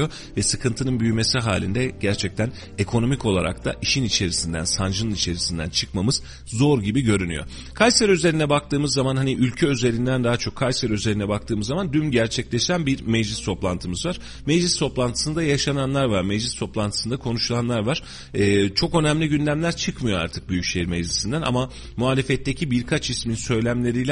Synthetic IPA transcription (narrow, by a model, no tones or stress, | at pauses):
o | vɛsɯkʰɯnt̪ʰɯnɯnbyjyme̞siɦa̰ːlʲind̪ɛɟ̥æɾt͡ʃʰɛc̚t̪ʰæn | e̞kʰo̞no̞mico̞lˠa̰ɾa̰k̚t̪ʰa̰ʔiʃinit͡ʃʰe̞ɾisind̪æ̰nsand͡ʒɯnɯnit͡ʃʰe̞ɾisind̪æ̰nt͡ʃʰɯkmamɯz̥ | zo̞ɾɟibiɟø̞ɾyny̰jo̞̰ | kʰajsæɾøze̞ɾinɛbak̚t̪ɯːmɯzːamanɦaniʔylʲcʰɛøze̞ɾind̪ænd̪aɦat͡ʃʰo̞kʰːajseɾøze̞ɾinɛbak̚t̪ʰɯːmɯzːamand̪ymɟæɾt͡ʃʰɛclʲeʃænbiɾmɛd͡ʒlʲist̪ʰo̞plˠant̪ʰɯmɯzvaɾ̥ | mɛd͡ʒlʲist̪ʰo̞plˠant̪ʰɯ̥sɯnd̪ajaʃananlˠaɾvaɾmed͡ʒlʲist̪ʰo̞plˠant̪ʰɯ̥sɯnd̪akʰo̞nuʃulˠanlˠaɾvaɾ̥ | ɛːt͡ʃʰo̞kø̞næmlʲiɟynd̪ʲæmlʲæɾt͡ʃʰɯkmɯjo̞a̰ɾt̪ʰɯ̥k̚byjycʃejiɾmɛd͡ʒlʲisind̪ænʔa̰ma | muɦaːlʲe̞fɛt̪ːe̞cʰibiɾkʰat͡ʃisminsø̞jlʲæmlʲe̞ɾijlʲɛ